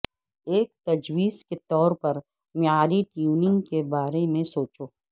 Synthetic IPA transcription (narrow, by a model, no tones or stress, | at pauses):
eːk̚t̪ɐd͡ʒwiːzket̪ɔːɾpɐɾ | maːɾiʈiuːnɪ̃ŋɡkebaːɾemẽsoːt͡ʃoː